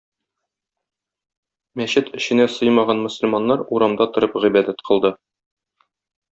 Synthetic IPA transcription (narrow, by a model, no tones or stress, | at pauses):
mæɕɘt̪ɘ̆ɕɘ̆næsɤjmɑʁɑnmŏsɵ̆lmɑnːɑɾuɾɑmd̪ɑt̪ŏɾɤpʁibæd̪æt̪qʰɤ̆lˠd̪ɤ